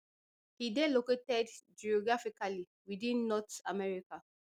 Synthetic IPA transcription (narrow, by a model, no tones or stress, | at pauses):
hidɛ̃loketɛdd͡ʒiɔɡɹafikali | widĩnːɔta̰mɛɹika